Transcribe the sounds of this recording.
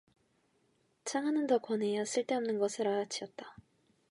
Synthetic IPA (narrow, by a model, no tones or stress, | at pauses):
t͡ɕʰaŋɦanɯntʌkwʌnejas͈ʰɯɭt͈e̞ʌmnɯnɡʌsʰɯɾaat͡ɕʰiʌt̚t͈a